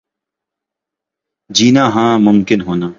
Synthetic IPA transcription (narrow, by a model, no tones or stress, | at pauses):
d͡ʒiːnaːɦãːmʊmkɪnɦoːnaː